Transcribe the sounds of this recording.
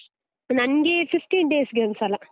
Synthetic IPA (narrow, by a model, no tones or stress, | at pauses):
nɐnɡififʈiːnɖeːsɡemsɐlã